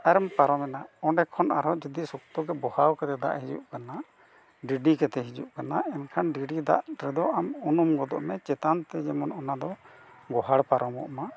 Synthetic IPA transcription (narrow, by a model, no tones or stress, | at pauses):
aɾmpaɾɔmɛnaɔ̃ɖɛkʰɔnaɾɔd͡ʒɔd̪isukt̪ɔɡɛbɔhawkɛt̪ɛd̪a̰ʔɦid͡ʒṵʔkana | ɖiɖikɛt̪ɛɦid͡ʒṵʔkanaɛnkʰanɖiɖid̪a̰ʔɾɛd̪ɔʔamunumɡɔd̪ɔ̰ʔmɛt͡ʃɛt̪ant̪ɛd͡ʒɛmɔnɔnad̪ɔ | ɡɔɦaɽpaɾɔmɔ̰ʔma